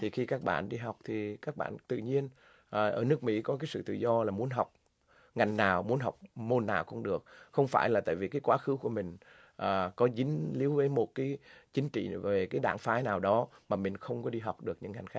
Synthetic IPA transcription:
t̪ʰi˨˩xi˧kaː˦˥k̚ɓa̰ː˧˨nɗi˧ɦa˨˩wk͡p̚t̪ʰi˨˩kaː˦˥k̚ɓa̰ː˧˨nt̪ɨ̰˧˨ɲi˧ən | ʔːʔəː˧˩nɨ˦˥ək̚mḭ˧˥kɔ˨˦kaː˨˦jsɨ̰˧˨t̪ɨ̰˧˨zɔ˧laː˨˩mu˨˦ənɦa˨˩wk͡p̚ | ŋa˨˩jŋ̟naː˨˩wmu˨˦ənɦa˨˩wk͡p̚mo˧nːaː˨˩wxə˧wŋ͡mɗɨ˨˩ək̚xə˧wŋ͡mfaː˧˩jlaː˨˩t̪a̰ː˧˨vi˨˩kaː˨˦jkwaː˨˦xɨ˨˦ku˧˩əmï˨˩ŋ̟ | ʔəː˨˩kɔ˨˦zï˨˦ŋ̟li˨˦əwvəː˨˦jmo˨˩t̚kaː˨˦jt͡ɕï˨˦ŋ̟t͡ɕḭ˧˨ve˨˩kaː˨˦jɗa̰ː˧˩ŋfaː˨˦jnaː˨˩wɗɔ˨˦maː˨˩mï˨˩ŋ̟xə˧wŋ͡mkɔ˨˦ɗi˧ɦa˨˩wk͡p̚ɗɨ˨˩ək̚ɲɨ̰˧˥ŋːa˨˩jŋ̟xaː˦˥

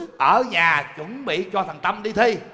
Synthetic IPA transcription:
ʔəː˧˩ɲaː˨˩t͡ɕɨ˧˥ŋɓḭ˧˨t͡ɕɔ˧t̪ʰə˨˩ŋt̪a˧mɗi˧t̪ʰi˧

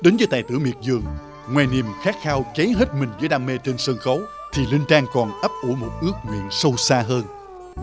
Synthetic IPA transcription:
ɗe˨˦nvəː˨˦jt̪aː˧˨jt̪ɨ̰˧˩əmi˨˩ət̚zɨ˨˩əŋ | ŋwaː˨˩jni˨˩əmxaː˦˥k̚xaː˧wke˨˦ɦe˦˥t̚mï˨˩ŋ̟zə̰ː˧˦jɗaː˧me˧t͡ɕe˧nsəː˧nxə˨˦w | t̪ʰi˨˩lï˧ŋt͡ɕaː˧ŋkɔ˨˩nʔə˦˥p̚ʔu˧˩mo˨˩t̚ʔɨ˦˥ək̚ŋwḭ˧˨ənsə˧wsaː˧ɦəː˧n

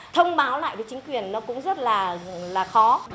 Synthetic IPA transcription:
t̪ʰə˧wŋ͡mɓaː˨˦wla̰ː˧˨jvəː˨˦jt͡ɕŋ̟kwi˨˩ənːɔ˨˦kʊ̰˧˥ŋ͡mzə˦˥t̚laː˨˩laː˨˩xɔ˨˦

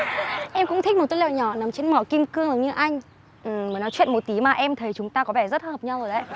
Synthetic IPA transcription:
ʔɛ˧mkʊ̰˧˥ŋ͡mt̪ʰï̟˦˥m˨˩t̪̚ːlɛ̰˧˨ɲɔ˧˩na˨˩˦mt͡ɕe˧nmɔː˧˩ki˧mkɨ˧əŋzə˨˦ɲɨ˧ʔa˧jŋ̟ | ʔɨ˨˩məː˨˦jnɔ˨˦t͡ɕwḭ˧˨nmo˨˩t̚t̪i˨˦maː˨˩ʔɛ˧mt̪ʰə˨˦jt͡ɕʊ˨˦ŋ͡mt̪aː˧kɔ˨˦vɛ˧˩zə˦˥t̚həː˨˩p̚ɲa˧wzo˨˩jɗə̰˦j

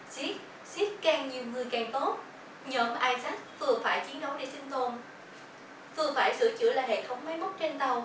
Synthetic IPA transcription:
si˦˥t̚ | si˦˥t̚kaː˧˩ŋɲi˨˩əwŋɨ˨˩əjka˨˩ŋt̪o˦˥t̚ | ɲəː˧˩m˧ʔaː˧jsa˦˥k̟̚vɨ˨˩əfaː˧˩jt͡ɕi˨˦ənɗə˨˦wɗe˧˩si˧ŋ̟t̪o˨˩n | vɨ˨˩əfaː˧˩jsɨ̰˧˩t͡ɕɨ̰˧əlaː˨˩hḛ˧˨t̚t̪ʰə˨˦wŋ͡mma˨˦jmo˦˥t̚t͡ɕe˧nt̪ə˨˩w

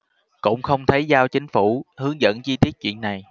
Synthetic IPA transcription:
kʊ̰˧˥ŋ͡mxə˧wŋ͡mt̪ʰə˨˦jzaː˧wt͡ɕï˨˦ŋ̟fu˧˩hɨ˨˦əŋzə̰˧˥nt͡ɕi˧t̪i˦˥ət̚t͡ɕḭ˧˨ənːa˨˩j

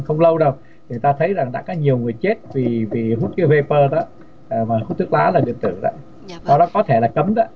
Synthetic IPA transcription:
xə˧wŋ͡mlə˧wɗə˨˩w | t̪ʰi˨˩˨jt̪aː˧t̪ʰə˨˦jza˨˩ŋɗa̰ː˧˥kɔ˨˦ɲi˨˩əwŋɨ˨˩əjt͡ɕe˦˥t̚vi˨˩vi˨˩ɦu˦˥t̚kɨ˨˦ve˧pəː˧ɗɔː˨˦˨ | maː˨˩hu˦˥t̪ʰɨ˦˥k̚laː˨˦laː˨˩ɗɨ̰˧˨˩ət̪ɨ̰˧˩˨za̰ː˧˨j | ɔ˨˧˦ɗɔ˨˦kɔ˨˦t̪ʰe˧˩laː˨˩kə˨˦mɗa˨˦

